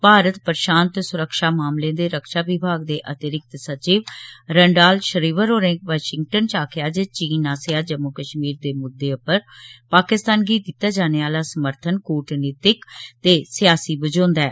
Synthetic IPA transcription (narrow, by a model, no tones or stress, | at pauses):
paːɾət̪pəɾʃaːnt̪sʊɾəkʃaːmaːmlẽːd̪eːɾəkʃaːʋɪbʱaːɡ̚d̪eːʔət̪ɪɾɪk̚t̪sət͡ʃiːʋɾəɳɖaːlʃəɾiːʋəɾoːɾẽːkʋaːʃɪŋɡʈənt͡ʃaːkʰɪjaːd͡ʒət͡ʃiːnaːsɪjaːd͡ʒəmuːkəʃmiːɾd̪eːmʊd̪ːeːʊpəɾpaːkɪst̪aːnɡiːd̪ɪt̪ːaːd͡ʒaːneːaːlaːsəməɾt̪ʰənkoːʈneːt̪ɪkt̪eːsɪjaːsiːbəd͡ʒõːnd̪ɛː